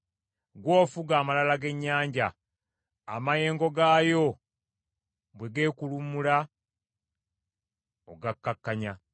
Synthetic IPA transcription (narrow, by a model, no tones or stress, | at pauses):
ɡwo̞ːfuɡaːmalalaɡe̞ɲːaːɲɟaː | maje̞ːŋɡo̞ɡaːjo̞ | bwe̞ɡe̞ːkulumula | oɡakːakːaɲa